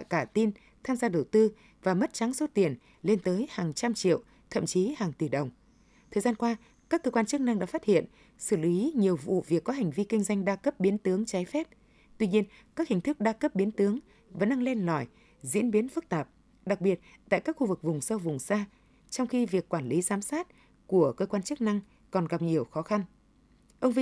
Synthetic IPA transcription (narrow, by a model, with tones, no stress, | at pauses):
a̰˧˨jkaː˧˩t̪i˧n | t̪ʰaː˧mzaː˧ɗə˨˩wt̪ɨ˧ | vaː˨˩mə˦˥t̚t͡ɕa˨˦ŋso˦˥t̚t̪i˨˩ən | le˧nt̪əː˨˦jhaː˨˩ŋt͡ɕa˧mt͡ɕḭ˧˨əw | t̪ʰə̰˧˨mt͡ɕi˨˦haː˨˩ŋt̪i˧˩ɗə˨˩wŋ͡m | t̪ʰəː˨˩jzaː˧nkwaː˧ | kaː˦˥kːəː˧kwaː˧nt͡ɕɨ˦˥k̚na˧ŋɗa̰ː˧˥faː˦˥t̚hḭ˧˨ən | sɨ˧˩li˨˦ɲi˨˩əwvṵ˧˨vi˨˩əkːɔ˨˦ɦa˨˩ŋ̟vi˧ki˧ŋ̟zwa˧jŋ̟ɗaː˧kə˦˥p̚ɓi˨˦ənt̪ɨ˨˦əŋt͡ɕa˨˦jfɛ˦˥p̚ | t̪wi˧ɲi˧ən | kaː˦˥k̚hï˨˩ŋ̟t̪ʰɨ˦˥k̚ɗaː˧kə˦˥p̚ɓi˨˦ənt̪ɨ˨˦əŋ | və˧˨˥nʔa˧ŋle˧nlɔ˨˧˩j | zḭ˧˥ənɓi˨˦ənfɨ˦˥k̚t̪aː˨˩p̚ | ɗa˨˩k̚ɓi˨˩ət̚t̪a̰ː˧˨jkaː˦˥k̚xu˧vɨ˨˩k̚vʊ˨˩ŋ͡msə˧wvʊ˨˩ŋ͡msaː˧ | t͡ɕɔ˧wŋ͡mxi˧vi˨˩əkːwaː˧˩nli˨˦zaː˨˦msaː˦˥t̚ | ku˧˩əkəː˧kwaː˧nt͡ɕɨ˦˥ək̚na˧ŋ | kɔ˨˩nɣa˨˩p̚ɲi˨˩əwxɔ˨˦xa˧n | ʔə˧wŋ͡mvi˧